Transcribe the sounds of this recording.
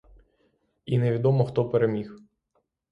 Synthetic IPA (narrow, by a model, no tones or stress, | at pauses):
ineʋʲid̪ɔmɔxt̪ɔpeɾemʲix